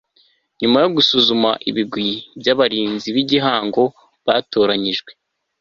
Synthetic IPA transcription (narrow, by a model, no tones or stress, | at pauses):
ɲumajo̞ɡusuzuma̰ʔḭβiɡwibjaβaɾiːnziβiɟiɦaːŋɡo̞ | βato̞ːɾaɲiʒɡwe